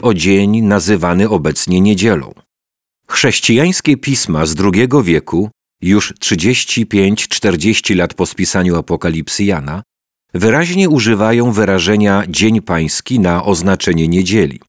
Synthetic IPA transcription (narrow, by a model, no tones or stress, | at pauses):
ɔd͡ʑeɲnazɘvanɘɔbɛt̪sɲɛɲed͡ʑɛlɔ̰̃w̃ | xʂɛɕt͡ɕijaj̃skʲɛpʲismazd̪ɾuɡʲɛɡɔvʲjɛku | juʂtʂɘd͡ʑeɕt͡ɕipʲjeɲt͡ɕt͡ʂt̪ɛɾd͡ʑeɕt͡ɕilat̪pɔspʲisaɲuapɔkalʲipsjana | vɘɾaʑɲɛuʐɘvajɔ̃w̃vɘɾaʐɛɲad͡ʑeɲpaj̃skʲinaʔɔznat͡ʂɛɲɛɲed͡ʑɛlʲḭ